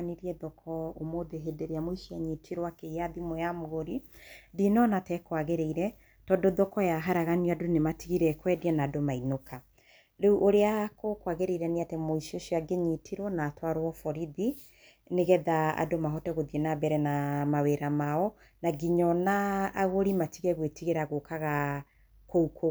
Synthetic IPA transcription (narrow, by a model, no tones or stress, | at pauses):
aniɾiɛðɔkʰɔomoðeɦedeɾeamoiʃiaɲitʰiɾwakejaðimojamoɣoɾiðinɔnatɛkwaɣeɾeiɾɛ | tɔdoðɔkɔjaɦaɾaɣaniɔadonematiɣiɾɛkwɛdianaːdomainokʰa | ɾeuʔoɾeakokwaɣeɾeiɾɛneatɛmoiʃioʃiɔaɡeɲitʰiɾwɔnaːtwaɾwɔfɔɾiði | neɣɛðaa̰domaɦɔtɛɣoðienabɛɾɛnamaweɾamaɔ | naɡiɲɔnaːɣoɾimatiɣɛɣwetiɣeɾaɣokaɣa | koukʰo